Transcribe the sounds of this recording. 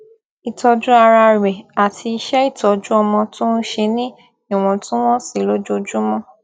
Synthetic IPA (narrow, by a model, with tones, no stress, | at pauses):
i˨tɔ˧d͡ʒu˦a˧ɾa˧˨ɛ˨a˨tʰi˧i˧ʃɛ˦i˦˨tɔ˧d͡ʒu˦ɔ˧mɔ̃˧tũ˦n̩˦ʃe˧nĩ˦ | i˦˨w̃ɔ̃˨˧tũ˦w̃ɔ̃˦si˦˨lo˦d͡ʒo˦d͡ʒu˦mɔ̃˦